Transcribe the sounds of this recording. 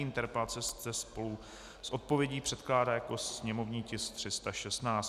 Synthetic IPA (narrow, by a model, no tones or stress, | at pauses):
ɪnt̪ɛɾpɛlat͡sɛsɛspo̞lu | sʔo̞t̪̚po̞vjɛɟiːpr̥ɛt̪klaːdaːjako̞sɲɛmo̞vɲiːcɪst̪r̝̥ɪst̪aʃɛst̪naːt͡s